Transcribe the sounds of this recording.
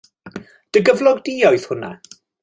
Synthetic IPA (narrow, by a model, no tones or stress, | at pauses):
d̥əɡəvlˠɔɡdiɔjθhʊna̰